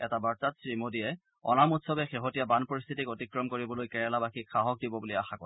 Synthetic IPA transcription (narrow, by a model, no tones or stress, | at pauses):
ɛtabaɹtatsɹimodijɛ | ɔ̰namutsɔbɛxeɦotijabanpɔɹist̪ʰitikotikɹɔmkoɹibɔlojkɛɹalabaxikxʰaɦɔk̚dibɔbuliaxakɔɛ